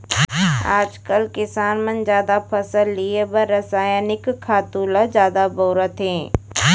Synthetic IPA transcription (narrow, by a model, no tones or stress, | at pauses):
a̰ːd͡ʒkəlkɪsaːnmɐnd͡ʒjaːd̪apʰɐsəlːiebɐɾɐsaːjaːnɪkʰːaːt̪uːlad͡ʒjaːd̪aboːɾət̪ɦẽː